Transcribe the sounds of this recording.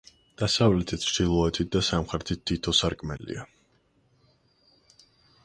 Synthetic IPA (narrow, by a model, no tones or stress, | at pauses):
d̪̥asavlɛt̪ʰit̪̚t͡ʃʰd̪ilˠɔɛt̪ʰit̪̚d̪asamχɾɛt̪ʰit̪̚ʰːit̪ʰɔsaɾkʼmɛlḭa